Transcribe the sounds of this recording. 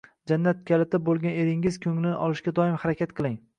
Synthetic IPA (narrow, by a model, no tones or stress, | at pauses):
d͡ʒanːat̪̚kʲʰalɪt̪ʰɪbolˠɡʲane̞ɾɪŋɪz̥kʰʲɵŋlɪnɪʔɒlˠɪʃkʲad̪ɒɪmhaɾakʲat̪qʰɨlˠɪŋ